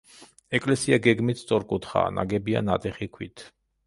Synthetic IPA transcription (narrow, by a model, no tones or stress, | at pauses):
ɛkʼlɛsiaɡɛɡmit̪ʰst̪sʼɔɾkʼut̪ʰχa̰ːna̰ɡɛbia̰nat̪ʼɛχikʰwit̪ʰ